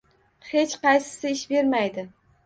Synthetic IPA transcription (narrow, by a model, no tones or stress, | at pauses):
he̞t͡ʃqɑjsɪ̥sɪɪʃbe̞ɾmajd̪ɪ